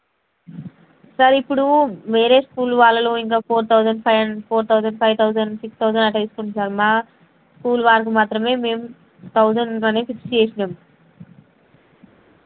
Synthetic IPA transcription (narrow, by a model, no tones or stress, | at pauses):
sɐɾipːuɽuʋeːɾeːskuːlʋaːlːɐlo̞ːiŋk̬aːpʰoːɾt̪ʰɐwd͡ʒɐɳɖʰpʰoːɾt̪ʰɐwzɐɳɖpʰɐjʋt̪ʰɐwzɐɳɖsikst̪ʰɐwzɐɳɐʈːɐiːsu̥kuɳʈːunsaːɾumaː | skuːlʋaːɾɐk̬umaːt̪ɾɐme̞ːme̞ːm | t̪ʰɐwd͡ʒɐɳɖɐneːpʰikst͡ʃeːʃinaːmu